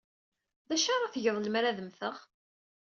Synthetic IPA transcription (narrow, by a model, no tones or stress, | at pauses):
ðæʃɑɾˤɑθəʝəðˤləmɾæðəmθəʁ